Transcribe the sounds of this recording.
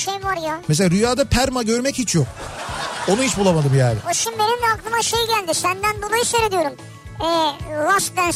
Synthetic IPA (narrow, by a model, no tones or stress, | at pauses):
ʃejvaɾjamɛs̬eaːɾyjaːd̪apʰæɾmaɟøɾmɛchit͡ʃʰjok̚ | o̞nuhit͡ʃbulˠamad̪ɯmjaːnɪ̰oʃimbenimɛaklˠɯmaʃejɟælʲd̪ɪsænd̪ænbonaiʃaɾed̪ijo̞ɾum | ɛːlaʃd̪æn